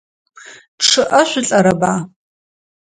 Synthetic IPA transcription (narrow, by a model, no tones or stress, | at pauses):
ʈ͡ʂʰɨʔɐʃʷʊɬʼɐɾɐbaː